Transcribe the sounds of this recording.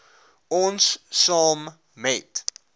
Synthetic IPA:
ɔnssɑːm | mɛt

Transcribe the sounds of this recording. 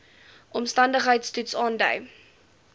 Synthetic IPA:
ʔɔmstɐndəχɦəjtstutsɑːndœ̰ɥ

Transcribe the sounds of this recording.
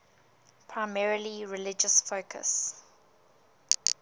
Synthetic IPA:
pʰɹaɪmɛɹəliɹɪlɪd͡ʒəsfoʊkʰə̰s

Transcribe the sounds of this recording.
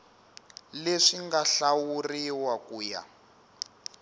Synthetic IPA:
leʂiŋɡaɬawuriwakuːja̰

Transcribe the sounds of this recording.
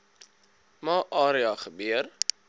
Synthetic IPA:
mɑːʔɑːɾiɑχəbyər

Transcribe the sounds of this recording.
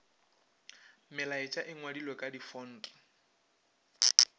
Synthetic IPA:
mɪlaɪt͡ʃʼaʔɪŋwadilwekʼadifɔːn̩ːtʼɔ̥

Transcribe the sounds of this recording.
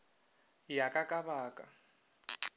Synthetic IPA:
jakʼakʼabaːkʼa

